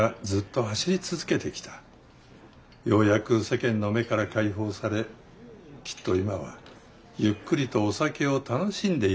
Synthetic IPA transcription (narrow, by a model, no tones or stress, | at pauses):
ad͡zɨt̪ːo̞haɕiɾʲit͡sɨzɨke̞t̪e̞kʲi̥t̪ḁ | jo̞ːjakɯ̟se̞kẽ̞nːo̞me̞kaɾakaiɦo̞ːsaɾe̞ | kʲʰi̥t̪ːo̞imaβa̰ | jɯkːɯ̟ɾʲit̪o̞ːsake̞o̞t̪ano̞ɕĩnd̪e̞